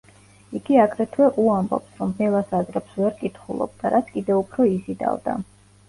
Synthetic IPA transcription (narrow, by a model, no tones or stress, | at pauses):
iɡiaɡɾɛt̪ʰwɛʔuambɔ̰psɾɔmɛlˠasazɾɛpsvɛɾkʼit̪ʰχulˠɔ̰b̚d̪̥aɾat̪sʰkʼid̪ɛupʰɾɔisid̪a̰vd̪a̰